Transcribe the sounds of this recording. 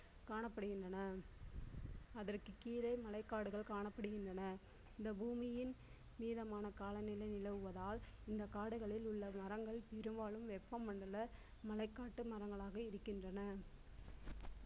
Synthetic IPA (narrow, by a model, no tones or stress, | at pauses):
kaːɳɐpːɐɽɯɣɪndrɐnɐ | ɐðɐrkɯkiːɾɐɪmɐlɐɪkːaːɽɯɣɐɭkaːɳɐpːɐɽɯɣɪndrɐnɐ | ɪnd̪ɐbuːmɪjɪn | miːðɐmaːnɐkaːlɐnɪlɐɪnɪlɐʋɯʋɐðaːlɪnd̪ɐkaːɽɯɣɐɭɪlʊɭːɐmɐɾɐŋɡɐɭpɛɾɯmbaːɭɯmʋɛpːɐmːɐɳɖɐlɐ | mɐlɐɪkːaːʈːɯmɐɾɐŋɡɐɭaːɣɐɪɾɯkːɪndrɐnɐ